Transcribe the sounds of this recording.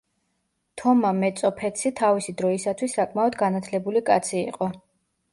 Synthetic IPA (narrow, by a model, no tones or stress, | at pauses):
t̪ʰɔmamɛt̪sʼɔpʰɛt̪sʰit̪ʰavisid̪ɾɔisat̪ʰwisːakʼmaɔd̪ɡanat̪ʰlɛbulikʼa̰t̪sʰiḭqʼɔ